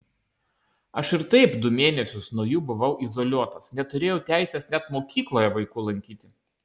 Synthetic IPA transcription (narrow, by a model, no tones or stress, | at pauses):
ɐʃɪɾt̪ɐɪpd̪ʊmʲeːnʲɛsʲʊsnuɔjuːbʊʋɐʊʔɪzɔlʲuɔt̪osnʲɛt̪ʊɾʲeːjɛʊt̪ʲæˑɪsʲɛsnʲɛt̪moːkʲiːklˠoːjɛʋɐɪkuːlˠɐŋʲkʲiːt̪ʲɪ